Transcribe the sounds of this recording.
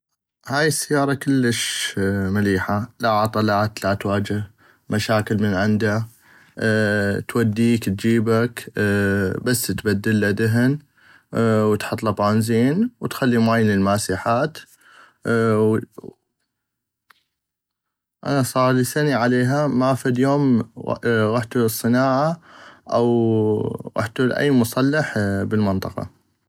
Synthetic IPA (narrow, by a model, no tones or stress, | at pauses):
haːjɪsːajːɑːɾˤɑkɪlːəʃmaliːħalaʕɑt̪ˤɑlaːt̪lat̪waːd͡ʒɪh | maʃaːkɪlmənʕɪnd̪a | t̪wad̪ːiːkt̪̚d͡ʒiːbak | basːt̪bad̪ːɪlːad̪ɪɦɪn | wt̪ħɑt̪ˤlɑbaːnziːnwt̪xalːimaːjɪnɪlmaːsiːħaːt̪ | ʔa̰nasˤɑːɾˤlisaniʕaleːɦamafad̪joːm̰ | ɣaħt̪usˤːɨnaːʕaʔaw | ɣa̰ħt̪ulʔa̰jːmʊsˤɑlːɑħbɪlmɨnt̪ˤɑqɑ̰